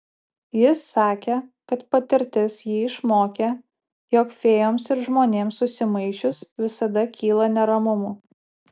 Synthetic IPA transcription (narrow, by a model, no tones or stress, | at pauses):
jɪsːɑːkʲeːkɐt̪pɐt̪ʲɪɾʲt̪ʲɪsjiːɪʃmoːkʲeː | joːkfʲeːjoːmsɪɾʒmoːnʲeːmsʊsʲɪmɐɪʃʲʊsʋʲɪsɐd̪ɐkʲiːlˠɐnʲɛɾɐmʊmʊ